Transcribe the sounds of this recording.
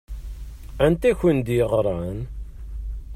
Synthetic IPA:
ænt̪æçənd̪jəʁɾˤɑn

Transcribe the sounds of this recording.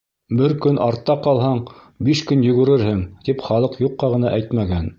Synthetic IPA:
bɘɾkɵnʔɑɾt̪ːɑqɑlˠɦɑɴ | biʃkɵnjɵ̆ɡɵ̆ɾɘɾhɘŋt̪ipχɑlˠɤqjuqːɑʁɤ̆nɑʔæjt̪mæɡæn

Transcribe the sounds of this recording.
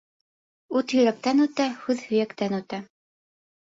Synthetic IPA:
ut̪jɵ̆ɾæk̚t̪ænʉt̪æhʉðhɵ̆jækt̪ænʉt̪æ

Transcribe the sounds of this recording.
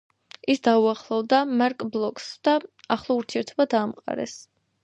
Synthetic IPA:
isd̪auaχlˠɔvd̪amaɾkʼblˠɔkʼsd̪̥aːχlˠɔuɾt̪ʰiɛɾt̪ʰɔbad̪aːmqʼa̰ɾɛ̰s

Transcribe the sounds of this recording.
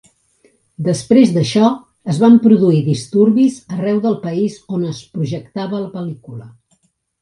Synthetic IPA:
d̪əspɾezd̪əʃɔ | əzβampɾuðuiðist̪uɾβizərɛwðəlˠpəizonəspɾuʒəkt̪aβələpəlikulə

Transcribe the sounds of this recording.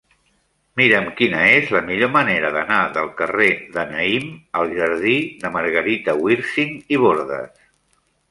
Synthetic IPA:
miɾəmkinəezləmiʎoməneɾəðənaðəlˠkəreðənəiməlˠʒəɾð̞iðəməɾɣəɾit̪əwiɾsiŋiβoɾðə̰s

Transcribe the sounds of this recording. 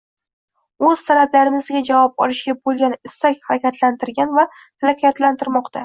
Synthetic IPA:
ɵz̥t̪ʰalablaɾɪmɪzɡʲad͡ʒavɒp̚ɒ̰lɪʃɡʲabolˠɡʲanɪsːakʲhaɾakʲat̪ʰlant̪ʰɪɾɡʲanva | halakʲʰat̪lant̪ʰɪɾmɒqt̪ʰa

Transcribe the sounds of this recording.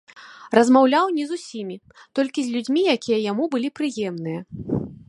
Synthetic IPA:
rɐzmawlʲawnʲizusʲimʲi | t̪ɔlʲkʲizʲlʲud͡zʲmʲijakʲijɐjamubɨlʲipɾɨjɛmnɨjɐ

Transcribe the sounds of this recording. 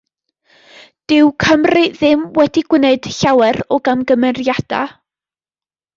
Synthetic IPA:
d̥ɪwkʰəmriðɪmwɛdiɡ̥wɪneɨd̥ɬawɛɾɔɡamɡəmɛrjad̥a̰

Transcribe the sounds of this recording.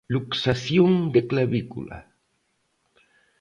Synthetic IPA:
luksaθjoŋd̪eklaβikṵla̰

